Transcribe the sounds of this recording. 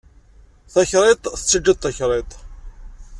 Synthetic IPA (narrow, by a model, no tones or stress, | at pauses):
θæçɾˤet̪ˤθə̥t͡sːəd͡ʒːəd̪θæçɾˤet̪ˤ